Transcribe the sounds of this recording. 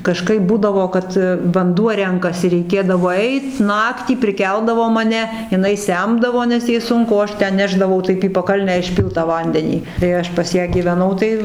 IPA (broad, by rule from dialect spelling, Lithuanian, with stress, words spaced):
kɐˈʃkɐɪp ˈbuːdɐʋoː ˈkɐt ʋɐnˈduɔ ˈrʲɛŋkɐsʲɪ rʲɛɪˈkʲeːdɐʋoː ˈɛɪt ˈnɑːktʲiː pʲrʲɪˈkʲɛlˠdɐʋoː mɐˈnʲɛ jɪˈnɐɪ ˈsʲɛmdɐʋoː nʲɛs ˈjɛɪ ˈsʊŋkʊ oː ˈɐʃ ˈtʲɛn ˈnʲæːʒdɐʋɐʊ ˈtɐɪp iː pɐˈkɐlʲnʲæː ɪʃʲˈpʲiːlˠt tɑː ˈʋɐnʲdʲɛnʲiː tɐɪ ˈɐʃ pɐs ˈjæː ɡʲiːʋʲɛˈnɐʊ tɐɪ